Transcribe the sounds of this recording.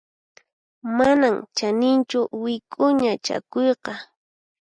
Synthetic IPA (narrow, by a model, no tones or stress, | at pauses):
manamt͡ʃanɪnt͡ʃʊwɪkʼʊɲat͡ʃa̰kojqɑ